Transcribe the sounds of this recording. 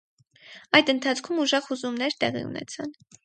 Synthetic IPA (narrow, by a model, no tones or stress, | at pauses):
ɑjd̪ənt̪ʰɑt͡sʰkʰumuʒɑʁhuzumnɛɾt̪ɛʁḭṵnɛ̰t͡sʰɑn